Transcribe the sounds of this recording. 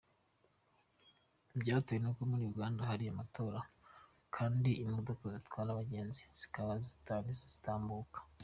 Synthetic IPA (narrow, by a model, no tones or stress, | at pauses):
ibɟaːtojenukomuɾijuɡaːndaɦaɾijamato̞ːɾa | kʰaːndiːmodokozitwaːɾaβaɟe̞ːnziz̥i̥kaβazitaːnizez̥i̥taːmbukḁ